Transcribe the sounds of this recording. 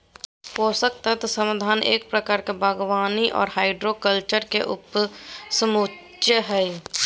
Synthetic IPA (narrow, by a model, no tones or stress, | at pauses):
poːsək̚t̪ət̪səmd̪ʱaːnḛːk̚pɾəkaːɾkebʱəɡwaːniʔɔ̰ːɾhaːɪɖɾokəlt͡ʃəɾkeʔʊpsəmut͡ʃtjəɦɛ